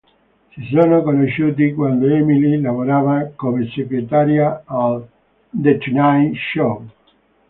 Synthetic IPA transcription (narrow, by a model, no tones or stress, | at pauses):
sis̬onokonoʃːuːt̪̬ikwand̪oɛmililavoɾaːvakomeseɡɾet̪aɾjaal | d̪et͡ʃnajʃo